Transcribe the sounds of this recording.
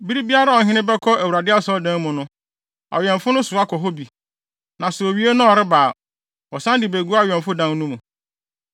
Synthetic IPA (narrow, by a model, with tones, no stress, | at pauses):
bi˦ɾi˦bi˦a˦ɾa˦ɔ˨ɦɪ̃˦nɪ̃˦bɛ˦kʰɔ˦æ˨wu˨ɾa˨dɪ˦a˦sɔ˦dɛ̃˦mʊ̃˨nʊ̃˦ | a̰˨ɥɛ̃˨ɱfʊ˦nʊ̃˦sʊ˨a˦kʰɔ˨ɦo˦bi˨ | nã˨sɛ˨o˨ɥi˦e˦nʊ̃˦ɔ˨ɾɪ˦baː˨ | ɔ˨sã˦ndɪ˨be˨ɡu˦a˦˨ɥɛ̃˨mfʊ˦dã˦n˦nũ˦mũ˨